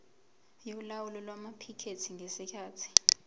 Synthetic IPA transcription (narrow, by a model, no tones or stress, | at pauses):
jolawulɔlwamapʰikʰetʰiŋʱesikʰaːtʰi̥